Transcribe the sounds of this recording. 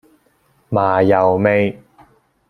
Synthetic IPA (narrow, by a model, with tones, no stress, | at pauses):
maː˨˩jɐ˨˩wme˧j